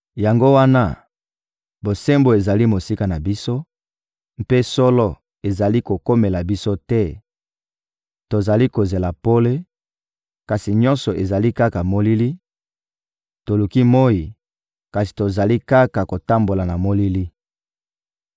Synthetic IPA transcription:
ja˨ŋɡo˦wa˦na˦ | bo˨se˦mbo˨e˨za˨li˦mo˨si˦ka˨na˨bi˦so˦ | m̩˦pe˦sɔ˦lɔ˦ | e˨za˨li˦ko˨ko˦me˨la˨bi˦so˦tɛ˦ | to˨za˨li˦ko˨ze˨la˨po˦le˦ | ka˨si˨ɲɔ̃˦nsɔ˨e˨za˨li˦ka˦ka˨mo˦li˦li˦ | to˨lu˨ki˦mo˦ji˨ | ka˨si̥˨to˨za˨li˦ka˦ka˨ko˨ta˦mbo˨la˨na˨mo˦li˦li˦

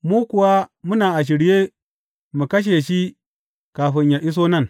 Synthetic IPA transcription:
muː˦ku˨wa˦mu˦naː˨ʔa˨ʃ̬i˨ɾje˦ | mu˨kɐ˦ʃ̬e˨ʃi˦ | ka˨ɸi˨ɲja˨ʔi˦s̬o˦nɐ˦˨n

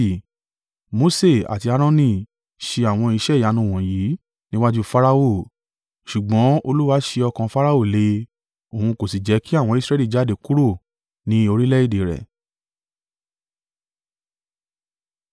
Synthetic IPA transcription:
mo˨˦se˦˨a̰˨ti˧a˨˧ɾ̃ɔ̃˦nĩ˦˨ | ʃe˧a˨w̃ɔ̃˧i˧ʃɛ˦˨ja˨˦nũ˧˦˨w̃ɔ̃˨ji˨˦ | nĩ˦wa˦d͡ʒu˦fa˦ɾa˦o˦˨ | ʃu˨ɡ͡bɔ̃˨˦o˧lu˦wa˦ʃe˧ɔ˧kã˧fa˦ɾa˦o˦˨le˧˦ | o˨hũ˧ko˨si˨d͡ʒɛ˨˦ki˦a˦˨w̃ɔ̃˧˦i˧sɾɛ˦li˦˨d͡ʒa˨˦de˨ku˦ɾo˦˨ | nĩ˦o˧ɾi˦lɛ˦i˦˨de˨˦ɾɛ̰˨

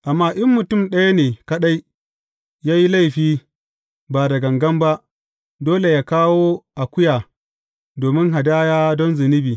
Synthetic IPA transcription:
ʔa˨mːaː˦ʔɪ˦mːʊ˨tʊ˦˨mɗɐ˦ja˦neː˨kɐ˦ɗa˦j | jaː˦ji˦la˦˨jɸiː˦ | baː˨dɐ˨ɡɐ˨ŋɡɐ˦mba˦ʔ | doː˦le˨jaː˦kaː˦woː˦ʔa˨kʷʊ˦jaː˨ | doː˨mɪ˦ŋɦa˨daː˦jaː˦dɔ˦nzɪ˨nɪ˦biː˨

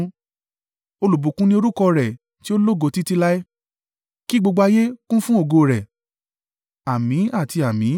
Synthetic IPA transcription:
o˧lu˨bu˨˦kũ˦nĩ˦o˧ɾu˦kɔ˧ɾɛ˨ | ti˦o˦lo˦˨ɡo˧ti˦ti˦la˦ɛ˦ | ki˦ɡ͡bo˧ɡ͡ba˧je˦kũ˦fũ˦o˦˨ɡo˧˨ɾɛ˨ | a˨mĩ˨˦a˦˨ti˧a˨mĩ˨˦

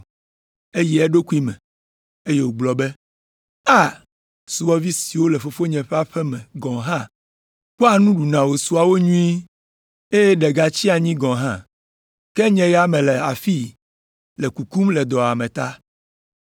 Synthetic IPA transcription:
e˦ji˦ɛ˦ɖo˦ku˦i˦mɛ̃˨ | e˦je˦wo˨ɡ͡blɔ˨bɛ˦ | a˦˨ | su˨wɔ˦vi˦si˨wo˦lɛ˨fo˨fo˦ɲɛ̃˨ɸɛ˦a˦ɸɛ˦mɛ̃˨ɡɔ̃˨ɦã˦ | k͡po˦a˨nũ˦ɖu˨nã˨wo˨su˨a˨wo˦ɲũ˦i˦ | e˦jɛ˦ɖɛ˨ɡa˨t͡ɕi˦a˨ɲĩ˦ɡɔ̃˨ɦã̰˦˨ | kɛ˦ɲɛ̃˨jɛ˦a˦˨mɛ̃˨lɛ˨a˨fi˦ | lɛ˨ku˨ku˦mlɛ˨d̪ɔ˨a˨mɛ̃˨t̪a˦

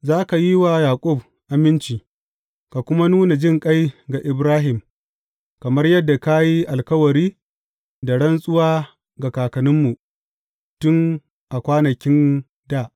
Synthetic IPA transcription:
zaː˦ka˨ji˦wa˨jaː˨kʷʼʊ˦˨b | ʔa˨mɪ˦nt͡ʃiː˨ | ka˨kʷʊ˦ma˦nuː˦na˨d͡ʒɪ˦ŋkʼa˦jɡa˨ʔɪ˨bɾaː˦ɦɪ˨m | kɐ˨mɐ˦rjɐ˦dːa˨ka˦ji˦ʔa˨lkɐ˦wɐ˨ɾiː˦ | da˨ɽɐ˦nsʼʊ˦waː˦ | ɡa˨kaː˨kɐ˨nʊ˦mːu˨ | tʊ˦ŋ | ʔa˨kʷaː˦nɐ˨kʲɪ˦n | da˦˨ʔ

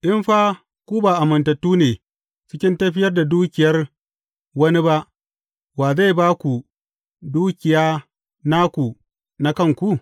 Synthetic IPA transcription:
ʔɪ˦mɸaː˦ | kʷu˦baː˨ʔa˨mɐ˨ntɐ˨tːuː˦neː˨ | t͡ʃɪ˦kʲɪ˦ntɐ˦ɸɪ˦jɐ˦rda˨duː˦kʲɪ˨jɐ˦r | wɐ˦ni˦ba˦ʔ | baː˨za˦˨jbaː˦kʷu˨ | duː˦kʲɪ˨jaː˦ | na˦kʷu˨ | na˦kɐ˦˨ŋkʷu˦

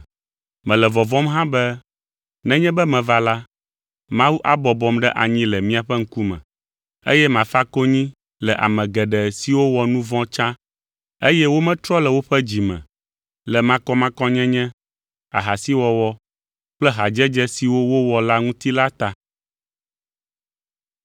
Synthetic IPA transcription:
mɛ̃˨lɛ˨vɔ˨vɔ̃˦mɦã˦bɛ˦ | nɛ̃˦ɲɛ̃˦bɛ˦mɛ̃˨va˦la˦ | mã˦wu˦ʔa˦bɔ˨bɔ˦mɖɛ˦ʔa̰˨ɲĩ˦lɛ˨mĩ˦a˨ɸɛ˦ŋ̩˦ku˦mɛ̰̃˨ | ḛ˦jɛ˦mã˨fa˦ko˦ɲĩ˦ | lɛ˨ʔa̰˨mɛ̃˨ɡɛ˨ɖɛ˨si˨wo˦wɔ˨nũ˦vɔ̃˦t͡ʃã˦ | e˦jɛ˦wo˦mɛ̃˦t̪ɾɔ˦lɛ˨wo˦ɸɛ˦d͡ʑi˨mɛ̰̃˨ | lɛ˨mã˦kɔ˦mã˦kɔ̃˦ɲɛ̃˦ɲɛ̃˦ | a̰˨ɦa˨si˦wɔ˨wɔ˦ | k͡plɛ˦ɦa˨d͡ʒɛ˦d͡ʒɛ˦si˨wo˦wo˦wɔ˨la˦ŋũ˦t̪i˦la˦t̪a˨

